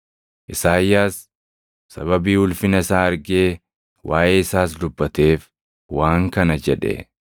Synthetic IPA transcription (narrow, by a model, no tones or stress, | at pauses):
ʔɪsaːjːaːsː | ɐ̰βɐbiːhʊlfɪnɐɪsaːɐɾɡeː | wʔaːʔe̞ːɪsaːs̬d̪ʊbːɐt̪e̞ːf | waːŋkɐnɐd͡ʒɛᶑɛ̰